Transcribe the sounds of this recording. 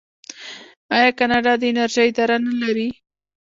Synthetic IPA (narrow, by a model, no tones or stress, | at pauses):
ɑjɑkanɑɖɑd̪əɪnaɾʒəjd̪aɾanalaɾi